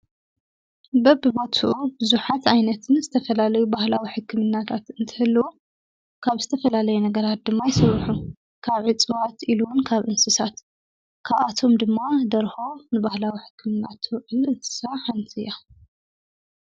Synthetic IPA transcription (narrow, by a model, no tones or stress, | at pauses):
bɐbɨbɐt̪ʰuʔubɨzuħat̪ajnɐt̪ʰɨnzɨt̪ʰɐfɐlalɐjubahlawiħɨkːɨmɨnːat̪ʰat̪ɨnt̪ʰɐhɨlːɐwo | kʰaβzɨt̪ʰɐfɐlalɐjunɐɡɐɾat̪̚d̪ɨmːajɪsɐβħu | kʰaβʕɨt͡sʼɨwat̪ʔiluwnkʰaβʔɨnsɨsat̪ | kʰaβat̪ʰo̞md̪ɨmːad̪ɐɾxo̞nɨbahlawiħɨ̥kʰːɨmɨnːa̰t̪ʰʕɨlɨt̪ʰɨ̥saħant̪ʰɨja